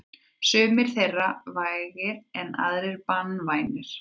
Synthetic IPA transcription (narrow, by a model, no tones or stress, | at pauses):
sʏːmɪɾ̥θejrːavaːjɣɪɾɛna̰ðɾɪɾpanːvaːjnɪɾ̥